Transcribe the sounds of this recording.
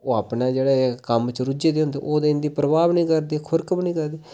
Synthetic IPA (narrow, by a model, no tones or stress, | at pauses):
oːaːpneːd͡ʒeːɽeːkəmt͡ʃɾʊd͡ʒeːd̪eːɦʊnd̪eːʔoːd̪eːɪnd̪iːpɾəbaːbnĩːkəɾd̪eːkʰʊɾkəbnĩːkəɾd̪e